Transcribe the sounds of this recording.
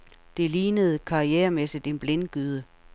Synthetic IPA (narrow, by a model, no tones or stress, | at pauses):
d̥e̝liːnəð̞̩ˠkʰɑ̈ieːɐmesid̥e̝nb̥le̝nɡ̥yð̞ˠə